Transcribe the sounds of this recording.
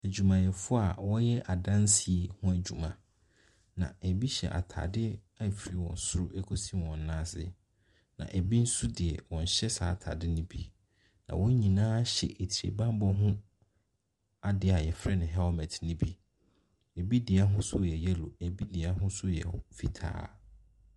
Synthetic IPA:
æ˨d͡ʑu˨mã˨jɛ˨fʊ˦a˨wɔ˦jɛ˦ʔa˨dã˦n˦si˨hʊ̃˦æ˨d͡ʑᶣu˨mã̰˨ | nã̰˨æ˨bi˦ɕɛ̰˨ʔa̰˨tʰa̰˨dɪ˦ | a˦˨fi˨ɾi˦wɔ̰̃˨n̩˨sʊ˦ɾʊ˦ʔɛ˦kʰo˦sĩ˦wɔ̃˨n˦nãː˦sɪ̰˦ | nã̰˨ʔæ˨bi˦n̩˦su˦dɪ˨ɛ˨wɔ̃˨ɲ̩˨ɕɛ˦saː˨˦˨tʰa̰˨dɪ˦nʊ̃˦bi˦ | nã̰˨wɔ̃˦ɲĩ˨nãː˦ɕɛ̰˨ʔe˨tʰi˨ɾḛ˨bã˦m˦bɔ˦ɦʊ̃˦ | a˦dɪ˨˦a˨jɛ˨fɾɛ˦nɪ̃˨ɦɛ˦ɔ˦mɛ̃˨tʰnɪ̃˦bi˦ | e˨bi˦dɪ˨a˦ɦʊ̃˦sʊ˦jɛ˨jɛ˦lo˨e˨bi˦dɪ˨a˦ɦʊ̃˦sʊ˦jɛ̰˨fi˦tʰa̰ː˦

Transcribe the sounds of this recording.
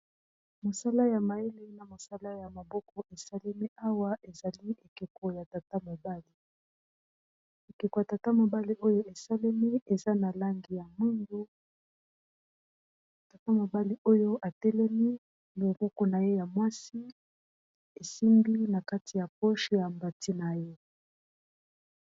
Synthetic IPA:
mo˨sa˦la˦ja˨ma˨je˦le˦na˨mo˨sa˦la˦ja˨ma˨bɔ˦kɔ˨ʔe˨sa˦le˦mi˦a˦wa˦ʔe˨za˨li˦ʔe˨ke˨ko˨ja˨ta˨ta˦mo˨ba˦li˨ | e˨ke˨ko˨ja˨ta˨ta˦mo˨ba˦li˦ʔo˦jo˦ʔe˨sa˦le˦mi˦e˨za˦na˨la˦ŋɡi˨ja˨mu˦ndo˦˨ | ta˨ta˦mo˨ba˦li˨o˦jo˦ʔa˨tɛ˦lɛ˦mi˦ | lo˨ɡo˦ko˨na˨je˦ja˨mwa˦si˦ | e˨si˦mbi˦na˨ka˦ti˨ja˨po˦ʃi˦ja˨mba˨tʰi˦na˨je˦

